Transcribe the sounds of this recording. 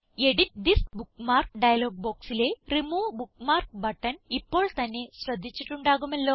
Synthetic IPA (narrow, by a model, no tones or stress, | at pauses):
e̞ɽitd̪isbukmaːrk̚ɖɐjɐlo̞ːɡ̚bo̞ːksile̞rimuːbukmaːrk̚bɐʈːɐnipːo̞ːɭt̪ɐnːe̞ɕrɐd̪ʱːit͡ɕːiʈːuɳɖaːɣumɐlːo̞ː